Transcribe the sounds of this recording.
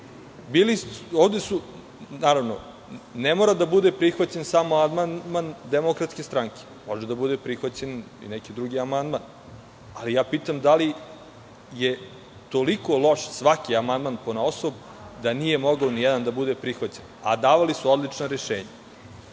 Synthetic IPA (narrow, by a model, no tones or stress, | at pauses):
bilioːʋd̪esu | naːɾaʋno̰ | nemoːɾad̪abud̪epɾixʋat͡ɕe̞nsamoand̪mand̪mand̪emokɾat̪ske̞st̪ɾaŋke̥moʒed̪abud̪epɾixʋat͡ɕe̞n | ḭnekid̪ɾuɡiamand̪man | alijaːpiːt̪amd̪ali | je | t̪o̞liko̞lo̞ʃsʋakiamand̪manponaosob | d̪anije̞moɡaonijɛd̪and̪abud̪e̞pɾixʋat͡ɕena̰d̪aːʋalisuo̞d̪lit͡ʂnoɾeʃḛːɲa